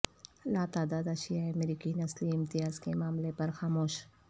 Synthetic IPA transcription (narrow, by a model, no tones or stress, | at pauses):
laːt̪aːd̪aːd̪aʃijaeɐmɾiːkinɐsliɪmt̪ɪjaːzkemaːmlepɐɾxaːmoːʃ